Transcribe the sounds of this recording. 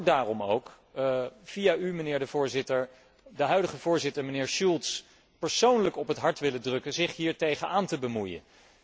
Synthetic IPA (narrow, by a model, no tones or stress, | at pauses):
daːrɔmo̰wk | v̥iaymənɪːɹdəvʊːɹzɪtəɹ | dəɦœɥdəχəvʊːɹzɪtəɹmənɪːɹʃulˠts | pəɹsownləkɔpɦətɦɑɹtʋɪlədrɵkənzɪχɦiːɹtejχənaːntəbəmujə̰n